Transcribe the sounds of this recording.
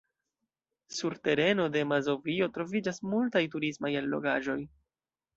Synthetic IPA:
suɾte̞ɾe̞no̞de̞mazo̞vio̞tɾo̞vid͡ʒasmultajtuɾismajalːo̞̰ɡaʒo̞j

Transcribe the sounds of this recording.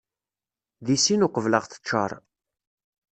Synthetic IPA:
ðisinʊqəvləʁθə̥t͡ʃːə̰ɾˤ

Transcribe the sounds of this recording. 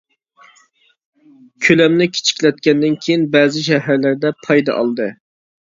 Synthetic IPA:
kʲʰølɛmnɪkʲʰe̥t͡ʃʰi̥kʲlɛt̪̚kʲɛnd̪ɪnkʲʰejinbɛːzɪʃɛɦæɾlæɾd̪ɛpʰɑjd̪ɑ̰ʔɑ̰lˠd̪ɨ

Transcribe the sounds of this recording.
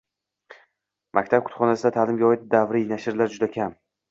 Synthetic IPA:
mʔakʲt̪ʰap̚kʰʊ̥t̪χɒnasɪd̪at̪ʰaːlɪmɡʲaɒɪt̪̚d̪avɾinaʃɪɾlaɾd͡ʒʊd̪akʲʰam

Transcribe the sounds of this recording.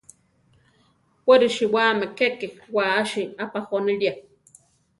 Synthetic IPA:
wʷeɾiʃiwaːmekekewaːʃiapaxonilja

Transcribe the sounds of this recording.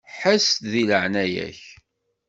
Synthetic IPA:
ħəst̪ðiləʕnæjæ̰ç

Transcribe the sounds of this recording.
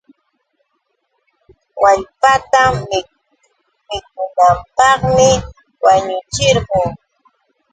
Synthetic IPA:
waʎpat̪amːɪ | mɪk̚ʊnampɑχmɪ | waɲʊt͡ʃɪɾɢʊŋ

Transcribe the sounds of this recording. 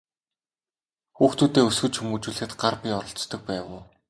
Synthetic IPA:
xuːxt̪uːt̪eːɵsɡɵ̆t͡ɕxumuːt͡ɕuːɮɘ̆xɘ̆t̪ɢarpʲiːɔɾɞ̆ɬt͡st̪ɞ̆k̚pæːwʊː

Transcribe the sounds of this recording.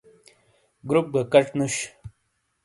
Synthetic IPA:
ɡɾup̚ɡakɐʈnuɕ

